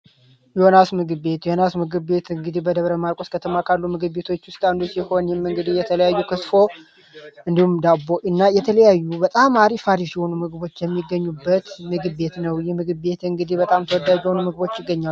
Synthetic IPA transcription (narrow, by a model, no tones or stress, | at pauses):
jɛonasmɨɡɨbe̞t̪jɛhonasmɨɡɨbe̞t̪ɨŋɡɨd̪ihbəd̪əβɾəmaɾkʼoskʰət̪ʰəmakʰalːumɨɡɨbe̞t̪ʰo̞t͡ʃːwʊst̪ʼand̪usiho̞njɛmːɨŋɡɨd̪ihjɛt̪ʰələjajːukʰɨsfo̞ | ʔɨnd̪ihumd̪abo̞ʔɨnːajɛt̪ʰələjajːubət̪ʼamaɾifaɾisiho̞numɨɡɨβo̞t͡ʃːjɛmːiɡːəɲːubːət̪mɨɡɨbe̞t̪nəwjɛmɨɡɨe̞t̪ɨŋɡɨd̪ihbət̪ʼamt̪ʰəwɔd̪ːaiho̞numɨɡbo̞t͡ʃːjɪɡːəɲːalːu